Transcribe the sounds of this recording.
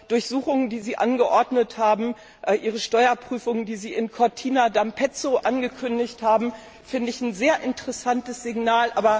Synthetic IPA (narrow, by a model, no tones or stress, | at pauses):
d̥ʊɐçz̥uːχʊŋəndiːziːʔa̰nɡəʔɔɐdnəthaːbm̩ | ʔɛʔiːʁ̞əʃtɔʏɐpʁ̥yːfʊŋəndiːziːɪnkʰɔɐtʰiːnadampʰɛt͡soʔanɡəkʰʏndɪçthaːbm̩ | fɪndəɪçn̩zeːɐʔɪntəʁɛsantəsz̥ɪɡnaːlʔa̰ːbɐ